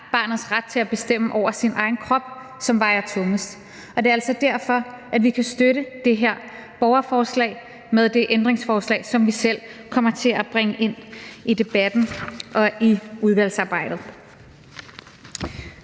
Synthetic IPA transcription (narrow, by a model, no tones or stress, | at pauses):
b̥ɑ̈ːnð̞̩ˠsʁad̥̚t͡sʰe̝læb̥e̝sd̥em̰əʔɒʊ̰ɐsinʔɑ̈ɪn̩kʰʁɒ̽b̥̚ | sɒ̽mʋɑ̈ɪ̰ɐt͡sʰɔ̽ŋəsd̥ | ʔɒ̽d̥e̝æl̰sɒ̽d̥æɐ̰fɒ̽ | ʔædʋikʰæsd̥øɾəd̥e̝ɦeɐ̰ | b̥ɒʊɐfɒːslɛ̰ːɪ | með̞ˠd̥e̝ʔend̥ʁeŋsfɒːslɛ̰ːɪsɒ̽mʋisel̰kʰɒ̽m̰ɐt͡sʰe̝æb̥ʁɛŋəʔe̝n̰id̥e̝b̥æd̥n̩ʔɒ̽iuð̞ˠʋæl̰sɑ̈ːb̥ɑ̈ɪ̰d̥ð̩ˠ